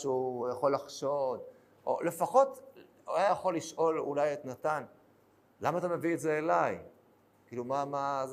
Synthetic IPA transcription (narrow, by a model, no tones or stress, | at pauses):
ʃjaχo̞lːaχʃo̞d̪ | ʔo̰le̞faχo̞t | ujjaχo̞lːiʃʔo̞lṵlajetnatan | lamaːt̪ame̞vietzeːlaj | kiːlumama